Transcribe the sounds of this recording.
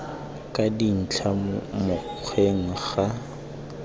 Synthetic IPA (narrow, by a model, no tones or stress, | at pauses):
kʼadin̩t͡ɬʰamʊq͡χʰweŋ̩χa